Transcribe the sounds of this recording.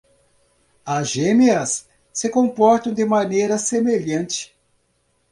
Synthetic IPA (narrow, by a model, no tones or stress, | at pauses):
azʒemeɐsː | ɪkõmpɔɾt̪ɐ̃w̃d̪ɪmanejɾɐsemeʎɐ̃nt͡ʃɪ̥